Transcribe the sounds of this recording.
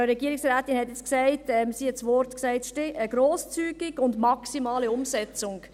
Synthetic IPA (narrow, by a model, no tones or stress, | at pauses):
ɾɛɡiəɾɪksɾaːtinhɛtɛt͡sksæɪtɛmsiːɛtsʋɔɾtksæɪtʃtɪʔəɡɾoːst͡syːɡɪɡʊndmɑksimɑːliʊmsɛt͡sʊŋ